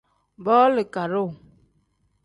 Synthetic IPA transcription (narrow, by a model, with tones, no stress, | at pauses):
bɔː˦lə˨ka˨ɾo˦˨